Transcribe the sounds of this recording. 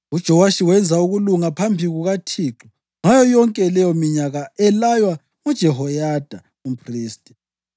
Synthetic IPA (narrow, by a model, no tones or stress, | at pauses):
ud̥ʒ̥ʱɔwaʃiwɛnd͡zʱauɣuluŋapʰambʱiɣuɣatʰiːǁɔ | ŋajɔjɔŋkʼɛlɛjɔmiɲaɣaɛlajwa | ud̥ʒ̥ʱɛɦɔjad̥ʱa | umpʰriːstʼɛ̥